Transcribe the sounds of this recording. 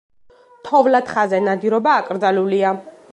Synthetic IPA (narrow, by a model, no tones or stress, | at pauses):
t̪ʰɔvlat̪χazɛnad̪iɾɔbaːkʼɾd̪zalulia